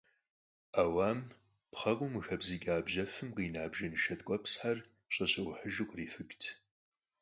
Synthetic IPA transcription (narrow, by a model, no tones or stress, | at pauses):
aːwaːm | pχɐqʷʼʊmɨxɐbziɡʲaːbʒɐfɨmqiːnaːbʒɐnɨʃɐtʼkʷʼɔpsħar | ɕʼɐɕʼɐwʊħəʒɪqʷʼriːfɨkʼtʰ